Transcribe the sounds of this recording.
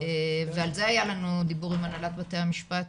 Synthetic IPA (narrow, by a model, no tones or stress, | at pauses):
evealze̞ajalanud̪ibuʁimanalat̪̚bat̪ejhamiʃpat̪